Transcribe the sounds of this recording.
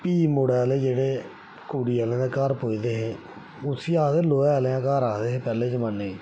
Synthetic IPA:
piːmoːɽɛːleːd͡ʒeːɽeː | kuːɽiːaːlẽːd̪eːkaːɾpoːiːd̪eːɦeː | ʊsiːaːd̪eːloːɛːleãːkaːɾaːd̪eːɦeːpɛːleːt͡ʃəmənːeː

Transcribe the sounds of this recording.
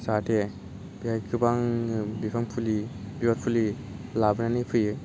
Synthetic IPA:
satʰe | b̥ihajkʰɯbaŋbipʰaŋpʰuli | biwat̚pʰuli | labɯnanipʰɯjɯ

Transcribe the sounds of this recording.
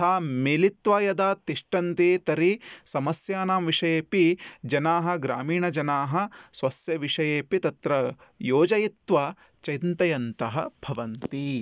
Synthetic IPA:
aːmeːlit̪ʋaːjɐd̪aːt̪iʂʈɐnt̪eːt̪ɐɾisɐmɐsjaːnaːmʋiʂɐjeːpid͡ʒɐnaːɦɐ̆ɡɾa̰ːmiːɳɐd͡ʒɐnaːɦɐ̆sʋɐsjɐʋiʂɐjeːpit̪ɐt̪ɾɐjoːd͡ʒɐjit̪ʋa | t͡ʃɐjnt̪ɐjɐnt̪ɐɦɐ̰b̥ʱɐʋɐnt̪i

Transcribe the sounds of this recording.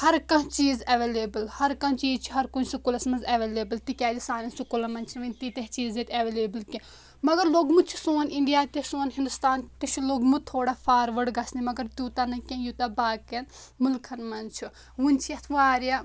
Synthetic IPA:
hɐɾkɐ̃t͡ʃiːzɐʋeːleːbɐlhɐɾkɐ̃nt͡ʃiːzt͡ʃʰiɦɐɾkunʲsukulɐsmɐnzɐʋeːleːbɐlt̪ikʲaːd̪isaːɾɐnsukulɐmɐnt͡ʃʰinʋɐnʲt̪it̪eɦt͡ʃiːzet̪ʲɐʋeːleːbɐlkĩ | mɐɡɐɾloːɡmut͡ʃʰi̥soːniɳɖijaːt̪esoːnɦĩnd̪ust̪aːnt̪it͡ʃʰuloːɡmut̪ʰoːɽafʰaːɾʋɐɽɡɐsnimɐɡɐɾt̪uːt̪anɐkʲẽjut̪ɐbaːkɐn | mʊlkʰɐnmɐnt͡ʃʰu | ʋunʲt͡ʃʰijɐt̪ʰʋaːɾja

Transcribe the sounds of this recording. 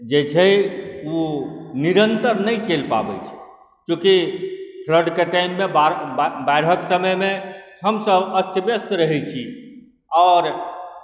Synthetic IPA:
d͡ʒet͡ʃʰɛuniɾənt̪əɾnəjt͡ʃelpa̰bɛ̰t͡ʃʰɛ̥ | kjõkipʰɾəɾɖkeʈaimːebaɾbaɪɾɦəksəməjmehəmsəbəst͡ʃəbjəst̪ɾəɦɛt͡ʃʰi | ɔːɾ

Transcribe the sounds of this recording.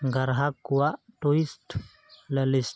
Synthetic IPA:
ŋɡaɾɦakːuaʈoist | ləlis

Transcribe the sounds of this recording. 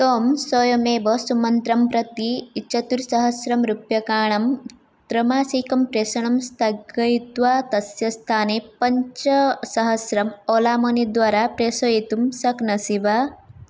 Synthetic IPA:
t̪oːmsoːjɐmeːʋɐsumɐnt̪ɾɐmpɾɐt̪iːt͡ʃʰɐt̪uɾsɐɦɐsɾɐmɾupjɐkaːɳ̃ɐm | t̪ɾɐmaːsikɐmpɾesɐɳɐmst̪ʰɐɡɐjt̪ʋaːt̪ɐsjɐst̪ʰaːneːpɐɲt͡ʃɐsɐɦɐsɾɐmoːlaːmɐnid̪ʋaːɾapɾesojit̪umsɐknɐsiʋa

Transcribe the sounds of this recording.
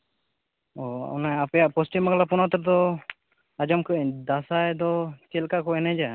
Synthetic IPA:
ɔɔ̰najapɛjaʔpɔsʈimaklapɔnat̪ɔɾd̪ɔ | ad͡ʒɔmkʰəd̪asajd̪ɔt͡ʃɛlkakɔɛnɛd͡ʒa

